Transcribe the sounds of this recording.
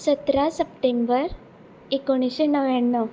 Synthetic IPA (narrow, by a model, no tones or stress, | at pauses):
sət̪ɾasəp̚ʈembəɾ | ekoɽ̃iɕenəʋjaɳːə